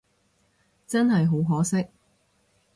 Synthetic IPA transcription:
t͡sɐ˥nɦɐ˨jɦo˨˥wɦɔː˨˥sɪ˥k̚

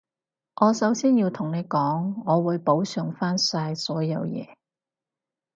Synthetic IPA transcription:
ʔɔː˨˧sɐ˨˥wsiː˥njiː˧wt̪ʰʊ˨˩ŋne˨˧jkɔː˨˥ŋːɔː˨˧wuː˨˧jpo˨˥wsœː˨˧ŋfaː˥nsaː˧jsɔː˨˥jɐ˨˧wjɛ̰ː˨˧

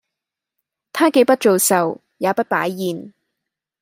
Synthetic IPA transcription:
t̪ʰaː˥ke˨˧˥jpɐ˥t̚t͡ʃo˨wsɐ˨w | jaː˨˧pɐ˥t̚pa̰ː˨˥jːiː˨n

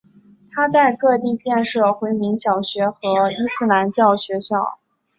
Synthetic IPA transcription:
t̪ʰa˥t͡sa˥˧ɪkɤ˥˧t̪i˥˧t͡ɕjɛ˥˧nʂɤ˥˩xwe˧˥ɪmi˧˥ŋɕjɑ˨˩ʊɕɥɛ˧˥xɤ˧˥i˥sɹ̩˥˩la˧˥nt͡ɕjɑ˥˩ʊɕɥɛ˧˥ɕjɑ˥˩ʊ

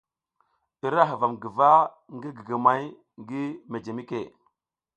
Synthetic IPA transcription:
i˨ɾa˦ɦə˨va˨mɡi˨va˦ | ŋɡi˦ɡi˨ɡa˨ma˨j | ŋɡi˦me˨d͡ʒe˨mi˦kḛ˨

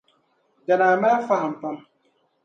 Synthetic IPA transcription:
da˨naː˨ma˦a˦fa˦ha˨m̩˨pa˦m

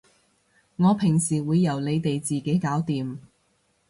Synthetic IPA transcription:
ŋɔː˨˧pʰɪ˨˩ŋsiː˨˩wuː˨˧jːɐ˨˩wle˨˧jt̪e˨jt͡siː˨ke˨˥jkaː˨˥wt̪iː˨m

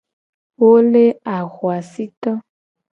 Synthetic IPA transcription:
wo˦le˦a˨ɣwa˨si˦t̪ɔ˦

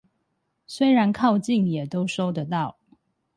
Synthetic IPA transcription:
swe˥ɪɻa˨˦˥nkʰɑ˥˧ʊt͡ɕi˥˨ŋjɛ˨˩t̪o˥˦ʊʂo˥ʊd̪ə˨t̪ɑ˥˨ʊ

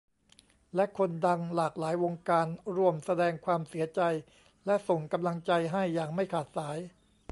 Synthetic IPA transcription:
lɛ˦˥kʰo˧nda˧ŋlaː˨˩k̚laː˩˦jwo˧ŋkaː˧nɾu˥˩əmsa˧dɛː˧ŋkʰwaː˧msi˩˦ɐt͡ɕa˧j | lɛ˦˥ʔso˨˩ŋka˧mla˧ŋt͡ɕa˧jɦa˥˩jːaː˨˩ŋma˥˩jkʰaː˨˩t̪̚saː˩˦j

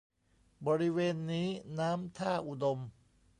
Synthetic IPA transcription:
bɔː˧ɾi˦˥weː˧nːiː˦˥naː˦˥mt̪ʰaː˥˩ʔu˨˩do˧m

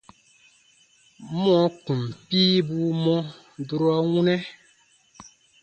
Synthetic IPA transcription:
mɔ̃˨˦ku˨m˨piː˦bu˦mɔ̃˦ | du˦ɾa˦wu˦nɛ˦

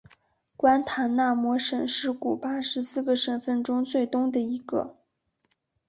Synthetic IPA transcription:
kwa˥nt̪ʰa˧˥nna˥˩mwɔ˧˥ʂə˨˩nʂɻ̩˥˩ku˨˩pa˥ʂɻ̩˧˥sɹ̩˥˩ɡə˩ʂə˨˩nfə˥˩nʈ͡ʂʊ˥ŋt͡swe˥˩ɪt̪ʊ˥ŋd̪ə˨i˧˥ɡə̰˧

